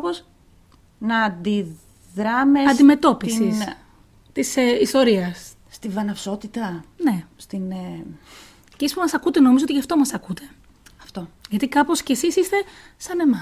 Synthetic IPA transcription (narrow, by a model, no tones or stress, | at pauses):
poz | nɐːnd̪i | ðɾɐmeɐd̪ime̞t̪o̞pisi | t̪iseist̪o̞ɾiɐsː | t̪ivɐnɐfso̞t̪it̪ɐne̞st̪in | cispumɐsɐkut̪e̞no̞mizooiʝɐft̪o̞mɐsɐkut̪e̞ | ɐft̪o̞ʝɐt̪ikɐpo̞sce̞sisist̪e̞ | sɐnemɐ